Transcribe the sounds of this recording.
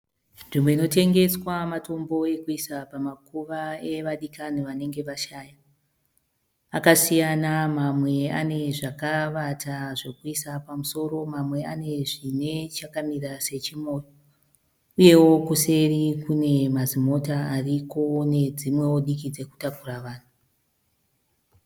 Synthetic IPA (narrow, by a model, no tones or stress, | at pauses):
nʐimweino̞te̞ŋɡe̞swamato̞mbo̞e̞kuisapamakuʋae̞ʋaɗikaniʋane̞ŋɡe̞ʋaʃaːja | akasijanamamwe̞a̰ne̞ʐakaʋatʰaʐe̞kuisapamuso̞ɾo̞mamwe̞ane̞ʐine̞t͡ʃakamirase̞t͡ʃimo̞ːjo | uje̞wo̞kuse̞rikune̞mazimo̞taːriko̞ne̞d͡zimwe̞woɗikid͡ze̞ku̥takuraʋaːn̤u